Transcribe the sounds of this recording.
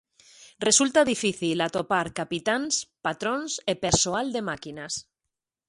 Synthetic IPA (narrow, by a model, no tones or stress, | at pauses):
result̪aðifiθilat̪opaɾkapit̪anspat̪ɾonsepe̞ɾsoald̪e̞makinas